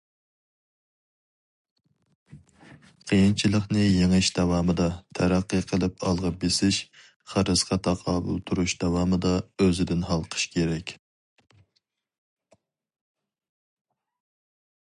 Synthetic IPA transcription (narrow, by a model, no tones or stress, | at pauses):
qʰəjint͡ʃʰilˠəχnɨjeŋɪʃd̪ɑwɑːmɨd̪ɑt̪ʰæɾæqːəqʰəlˠɪpɑlˠʁɑbesɪʃ | χəɾɨsqʰɑt̪ʰɑqʰɑːbṵlˠt̪ʰuɾuʃd̪̥ɑwɑːmɨd̪ɑøzɪd̪ɪnɦɑlˠqʰə̥ʃkʲʰeɾɛkʲ